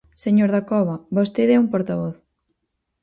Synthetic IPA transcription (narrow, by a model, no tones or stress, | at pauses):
seɲoɾðakɔβɐbost̪eðɛumpoɾt̪aβɔθ